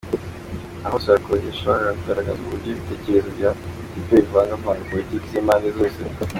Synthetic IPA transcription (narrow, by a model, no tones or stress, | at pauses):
ahosaakoɲeʃoβoɾaɡakuɡaɾaɡazukubɟoβite̞ːceɾe̞zobja | ipevuaŋɡavaːŋɡapo̞litiːkiziːmaːndezo̞ːse